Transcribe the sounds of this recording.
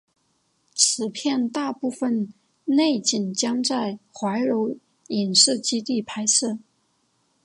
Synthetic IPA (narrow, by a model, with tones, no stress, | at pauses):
t͡sʰɻ̩˨˩pʰjɛ˥˧nt̪a˥˧pu˥˧fə˥˧n | ne˥˩ɪt͡ɕi˨˩nt͡ɕjɑ˥ŋt͡sa˥˩ɪxwa˧˥ɪɻo˧˥ʊ | i˨˩ŋʂɻ̩˥˩t͡ɕi˥t̪i˥˩pʰa˥ɪsɤ˥˩